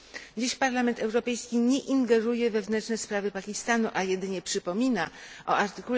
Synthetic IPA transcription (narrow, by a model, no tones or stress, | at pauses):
d͡ʑiɕpaɾlamɛnt̪ɛwɾɔpɛjskʲiɲɛʔiŋɡɛɾujɛvɛvnɛnt͡ʂnɛspɾavɘpakʲist̪anuʔajɛd̪ɘɲɛpʂɘpɔmʲinaʔɔʔaɾt̪ɘkul